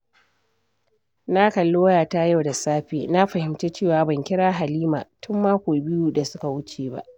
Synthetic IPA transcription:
na˦kɐ˨lːoː˦jaː˨ta˦ja˦wda˨saː˦ɸeː˨na˦ɸɐ˨hɪ˨mt͡ʃeː˦t͡ʃeː˦˨waː˨bɐ˨ŋkʲɪ˦ɽaː˦ɦa˨liː˦ma̰ː˨tʰʊ˦mːaː˦kʷoː˨bɪ˦ju˦da˨sʊ˦ka˨wʊ˦t͡ʃeː˨ba̰˦ʔ

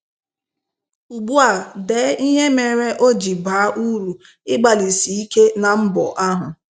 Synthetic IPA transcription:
u˨ɡ͡bu˦a˨deː˨˦i˦ɲe˦me˨ɾe˦ʔo˦d͡ʒi˨baː˨˦ʔu˦ɾu˨ | ɪ˦ɡ͡ba˨li˨si˨i˦ke˦na˨m̩˦bɔ̰˨ʔa˦ɦʊ˨

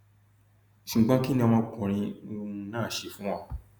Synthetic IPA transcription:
ʃĩ˨ɡ͡bã˦ki˦nĩ˦a˧mã˧˦kũ˨ɾ̃ĩ˧o˧˦˧nãː˦˨ʃe˧fũ˨˦ã˧˨

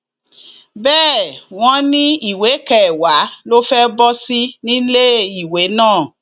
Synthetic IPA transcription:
bɛː˦˨w̃ɔ̃˧nĩ˦i˦˨we˨˦kɛ˨wa˨˦lo˦fɛ˦bɔ˦si˦nĩ˦le˦i˨we˨˦nãː˦˨

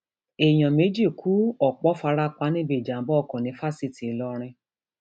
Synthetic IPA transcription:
e˨j̃ɔ̃˨me˨˦d͡ʒi˦˨kʰu˨˦ɔ˨k͡pɔ˨˦fa˧˦ɾa˦k͡pa˨˧˦nĩ˦be˦˨d͡ʒa˨m̩˦bɔ˦ɔ˦˧˨kɔ̃˨nĩ˨˦fa˦si˦˨ti˨i˨lɔ˧ɾ̃ĩ˧

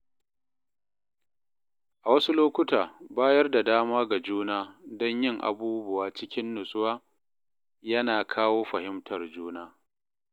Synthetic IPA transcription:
ʔa˨wɐ˦su˦loː˦kʷʊ˦taː˨baː˦jɐ˦rda˨daː˦maː˦ɡa˨d͡ʒuː˦naː˦dɔ˦ɲjɪ˦˨ŋʔa̰˨buː˦bʊ˨waː˨t͡ʃɪ˦kʲɪ˦nːʊ˨sʼʊ˦waː˦ | jɐ˦naː˨kʰaː˦woː˦ɸɐ˨hɪ˦mtʰɐ˨rd͡ʒuː˦naː˦

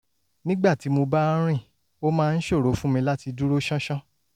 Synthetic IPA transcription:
nĩ˦ɡ͡ba˦˨ti˨˦mo˧ba˦ɾ̃ĩ˦˨ | o˦mãː˦˧n̩˦ʃo˦˨ɾo˨˦fũ˦mĩ˧la˦ti˧du˦ɾo˦ʃã˦ʃã˦

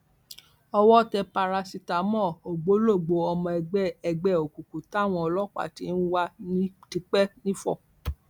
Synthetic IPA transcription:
ɔ˧wɔ˦tɛ˧pa˧ɾa˧si˧ta˨mɔ̃˦˨o˨ɡ͡bo˨˦lo˦˨ɡ͡bo˨˧ɔ˧mɔ̃˧ɛ˧ɡ͡bɛ˦ɛ˧ɡ͡bɛ˦o˨ku˨ku˨ta˦˨w̃ɔ̃˧ɔ˧lɔ˦k͡pa̰˦˨ti˨˦n̩˦wa˦nĩ˦ti˧k͡pɛ˦nĩ˦fɔ̰˦˨

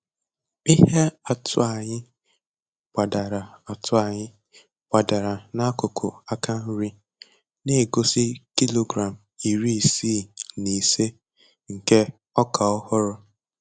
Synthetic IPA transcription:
i˦ɦe˦a˨tʰʊ̰˦a˨ɲɪ˦ | ɡ͡b̥a˨da˨ɾa˨a˨tʰʊ˦a˨ɲɪ˦ | ɡ͡b̥a˨da˨ɾa˨na˦kʊ˨kʰʊ̰˨a˦ka˦n̩˦ɾi˦ | ne˦˨ɡo˦si˦ki˦lo˨ɡɾa˨m̩˨i˨ɾi˦i˨si˦˨ni˨se˦ | ŋ̩˨ke˦ | ɔ˦ka˨ɔ˦hʊ˦ɾʊ˦

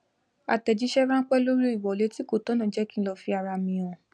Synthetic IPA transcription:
a˨tɛ˨d͡ʒi˨˦ʃɛ˦ɾã˦k͡pɛ˦lo˦ɾu˦i˦˨wɔ˨le˨˦ti˦ko˦˨tɔ̃˨˦nã˨d͡ʒɛ˨˦kĩ˦lɔ˧fi˧a˨ɾa˧mĩ˧˨ɔ̃˨

